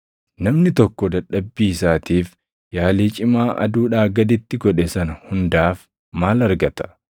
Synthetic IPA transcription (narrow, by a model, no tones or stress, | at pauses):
nɐmnɪt̪ɔkːɔd̪ɐᶑɐbːiːsaːt̪iːf | jaːliːt͡ʃʼɪmaːʔɐ̰d̪uːᶑaːɡɐd̪ɪt̪ːɪɡɔᶑɛsɐnɐhʊnd̪aːf | maːlɐɾɡɐt̪ɐ̥